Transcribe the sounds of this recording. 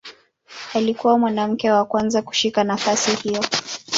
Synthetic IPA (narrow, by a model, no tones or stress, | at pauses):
alikuwamwanam̩kɛwakwanzaku̥ʃikanafasihijɔ